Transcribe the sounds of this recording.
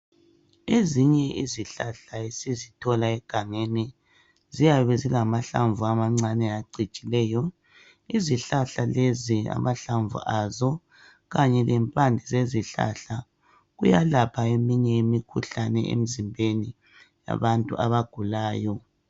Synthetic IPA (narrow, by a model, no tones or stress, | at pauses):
eziɲɛʔiziɬaɬaesizitʰɔlaɛɡ̥ʱaŋeni | zijaβɛziɣamaɬaɱvuamaŋ͡ǀanɛaǀʱit͡ʃʼilɛːjɔ | iziɬaɬalezia̰maɬaɱvṵʔazɔ | ɣaɲɛlɛmpʼandʱizeziɬa̰ɬa | ɣujalapʰaemiɲɛimikʰuɬanɛ̰ʔḛm̩zimbʱeni | ja̰βantʼṵʔa̰βaɡ̥ʱulaːjɔ